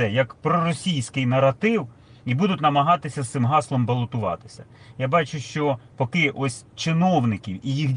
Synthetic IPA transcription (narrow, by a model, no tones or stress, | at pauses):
ɛjɐkpɾɔɾɔsʲijsʲkɪjnɐɾɐt̪ɪw | ibud̪ʊt̪ʲnɐmɐɦɑt̪ɪsʲɐst̪ɪmɦɑslˠɔmbɐlˠɔt̪ʊʋɑ̰t̪ɪ̥sʲɐ | jabɑt͡ʃʊʃt͡ʃɔpɔkɪʔɔsʲ | t͡ʃɪnɔwnɪkʲiwijixʲ